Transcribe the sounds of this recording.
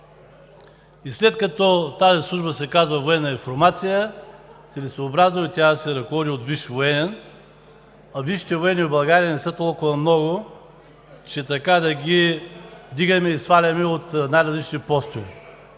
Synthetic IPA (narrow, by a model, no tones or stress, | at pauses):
islɛt̪kɐt̪ɔt̪azislˠuʒbəsɛkazvɐvoɛnːəifoɾmat̪sijət̪sɛlɛsvoːbɾaznoit̪ʲjasɛɾɐkovɔd̪iot̪viʃvoɛnɛn | ɐviʃi̥t̪ɛvoɛnʲiobɐlˠɡaɾijɐnɛsət̪ɔlˠkʊvɐmnɔɡʊ | t͡ʃɛt̪ɐkad̪ɐɡʲi | d̪iɡɐmɛisfalʲɐmɛot̪najɾɐzlit͡ʃnipɔst̪ovi